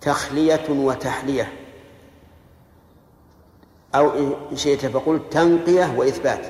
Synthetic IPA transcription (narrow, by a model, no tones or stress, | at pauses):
t̪axlɪjawat̪aħlɪja | ʔawʔʃɪʔt̪afaqʊlt̪anqɪjawɪʔɪθbaːt̪